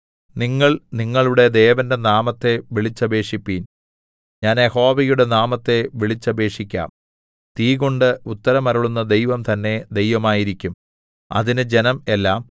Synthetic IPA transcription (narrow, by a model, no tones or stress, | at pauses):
niŋːɐɭniŋːɐɭuɽe̞d̪ejːʋɐndenaːmɐt̪ːe̞ʋiɭit͡ɕːɐbe̞ːʂipːiːn | ɲaːneho̞ːʋijuɽe̞naːmɐt̪ːe̞ʋiɭit͡ɕːɐbe̞ːʂikʲːa̰ːm | t̪iːɣoɳɖɨut̪ːɐɾɐmɐɾuɭunːɐd̪ejʋɐmt̪ɐnːe̞d̪e̞jʋɐmaːjiɾikʲːum | ɐ̰ðinɨd͡ʑe̞nɐme̞lːaːm